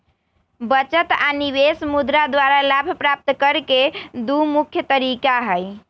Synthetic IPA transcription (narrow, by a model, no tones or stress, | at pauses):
bət͡ʃət̪aniβesmud̪ɾad̪waɾalabʱpɾap̚t̪kəɾked̪umukʰjət̪əɾikaɦəj